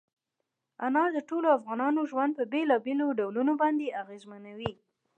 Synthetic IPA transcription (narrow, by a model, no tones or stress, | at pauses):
anɑd̪əʈoloafɣɑnɑnoʒwand̪̚pəbelɑbeloɖawlunobɑnd̪eaɣezmanawi